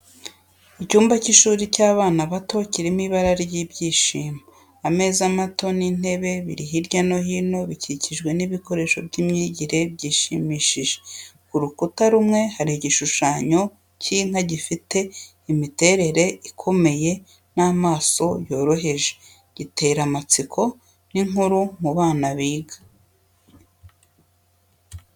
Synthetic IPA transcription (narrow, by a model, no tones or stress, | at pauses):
icuːmbaciʃuːɾicaːβaːnaβato̞ciɾimiβaɾaɾjiːbɟiːʃiːma | ame̞ːzamato̞nin̥e̞βe̞βḭɾiɦiɾɟano̞ɦino̞βiciciʒɡwe̞niβiko̞ɾe̞ʃo̞bɟiːmɲiɟiɾe̞bɟiːʃimiːʃiʒekuɾukutaɾumŋe̞haɾiɟiʃuʃaːɲo̞ | ciŋ̥haɟifite̞ | imite̞ɾe̞ɾe̞ʔikʰo̞me̞je̞ | naːmaːso̞jo̞ːɾo̞ɦe̞ʒe̥ | ɟ̥ite̞ɾamat͡sikʰo̞ | niŋuɾumuβaːnaβiːɡa